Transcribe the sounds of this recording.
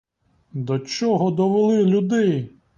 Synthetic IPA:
d̪ɔt͡ʃɔɦɔd̪ɔʋelˠɪlʲud̪ɪ

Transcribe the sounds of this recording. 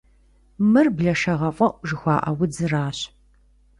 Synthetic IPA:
mɨrbɮɐʃɐʁɐfʷʼɐʔʷʼʒɨxʷɑːʔɐwʊd͡zɨraːɕ

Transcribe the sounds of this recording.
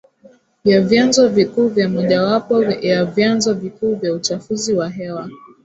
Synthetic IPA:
vjavjanzɔvikuːvjamɔʄawapɔjavjanzɔvikuːvjaut͡ʃafuziwaɦɛwa

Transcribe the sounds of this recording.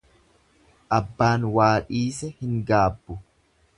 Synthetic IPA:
ʔɐbːaːnwaːᶑiːsɛhɪŋɡaːbːʊ

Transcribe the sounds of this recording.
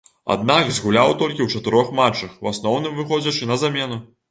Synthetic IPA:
a̰d̪naɡzɣulʲawt̪ɔlʲkʲiwt͡ʂɐt̪ɨɾɔxmat͡ʂːɐxwasnɔwn̪ɨmvɨxɔd͡zʲɐt͡ʂɨnɐzamʲɛnu

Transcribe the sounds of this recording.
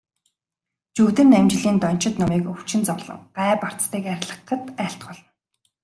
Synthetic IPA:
t͡ɕuːt̪ɘ̆nːæmt͡ɕ̆ɮiːnt̪ɔn̥t͡ɕɪ̆t̪nɔmiːkɵwt͡ɕɪ̆nt͡sɔwɮə̰̆ŋɢaːpar̥t͡st̪iːkæɾ̆ʲɮə̆qːə̆t̪æːɬt̪̚ɢɔɮɞ̆n

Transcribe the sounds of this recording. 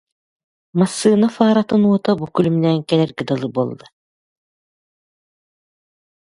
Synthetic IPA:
masːɯːnafaːɾat̪ɯnuɔt̪abukylymnɛːŋkɛlɛɾɡɛd̪ɔlˠɯbolˠːɯ

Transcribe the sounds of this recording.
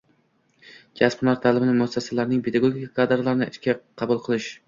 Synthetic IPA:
d͡ʒʰʲaspmlˠaɾt̪ʰalɪbɪnɪmʊasːasalaɾnɪŋpʰed̪aɡoɡʲikʲʰakʰad̪ɾalaɾɪnɪɪʃkʲaqʰɑbʊlˠqʰɨlˠɪʃ

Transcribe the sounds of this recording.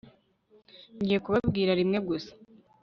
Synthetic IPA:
ɲɟije̞kuβabɡiːɾaɾimŋe̞ɡusḁ

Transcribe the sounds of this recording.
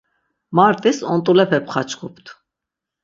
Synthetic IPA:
maɾt̪ʼisɔnt̪ʼulɛpʰɛpʰχat͡ʃʰkʰupʰt̪ʰ

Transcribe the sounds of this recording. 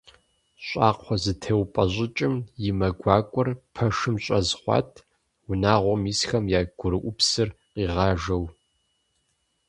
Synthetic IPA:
ɕʷʼaːqʷʰɔzɨtʰeːwpʼɐʑʷʼɪt͡ʃʼɪmjɪmɐɡʷɑːkʷʼɔrpʰɐʂɨmɕʼɐzχʷɑ̰ːtʰ | wʊnaːʁʷɔmiːsxɐmjaːɡʷʊɾɨʔʷʊpsɨrqiːʁɑːʒɐw

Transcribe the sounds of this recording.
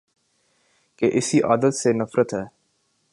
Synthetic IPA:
keʔɪsiʔaːd̪ət̪senɐfɾət̪ɦɛː

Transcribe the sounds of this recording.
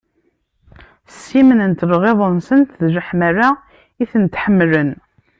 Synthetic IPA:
simənənt̪lʁeðˤənsənt̪ðʒəħmaɾa | iθənt̪ħəmːlən

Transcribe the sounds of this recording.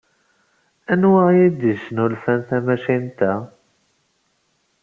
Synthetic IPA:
ænwajid̪əʃənulfænθæmæʃint̪æ

